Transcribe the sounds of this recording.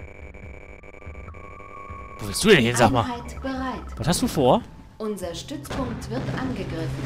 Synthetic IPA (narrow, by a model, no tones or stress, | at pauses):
voːvɪlstd̥uːdɛnhɪnzaːkmaːaɪtb̥əʁaɪtvasthastd̥uːfoːɐ | ʔʊnzɐʃtʏt͡spʰʊŋk̚tv̥ɪɐtʔanɡəɡʁɪfn̩